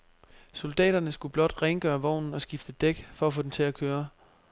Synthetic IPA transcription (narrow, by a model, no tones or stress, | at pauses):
so̝ld̥ɛ̰ːɾ̥ɐnəsɡ̥ub̥lɒ̽d̥ʁeŋɡ̥ɶːɐʋɒʊ̰nn̩ɒ̽sɡ̥ifd̥əd̥eɡ̥fɒ̽æfo̽d̥ent͡sʰe̝ækʰøːɐ